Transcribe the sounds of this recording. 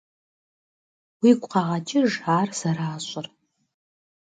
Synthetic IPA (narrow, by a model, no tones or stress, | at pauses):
wikʷʼqɑʁɐt͡ʃʼɪʐaːrz̥aɾaːɕʷʼʊr